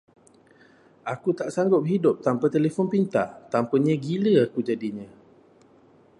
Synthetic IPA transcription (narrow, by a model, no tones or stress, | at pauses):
akut̪aʔsaŋɡʊp̚ɦidʊp̚t̪ampat̪elefɔnpint̪a̰ʔt̪ampəɲə̃ɡiləakud͡ʒadiɲə̃